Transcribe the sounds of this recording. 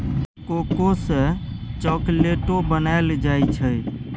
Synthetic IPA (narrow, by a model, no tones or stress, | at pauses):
kokosə̃t͡ʃɔkleʈobənaeld͡ʒajt͡ʃʰəj